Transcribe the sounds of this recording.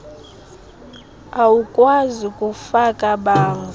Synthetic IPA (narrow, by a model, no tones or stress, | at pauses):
awukʼwazikʼufakʼaɓaːnʰ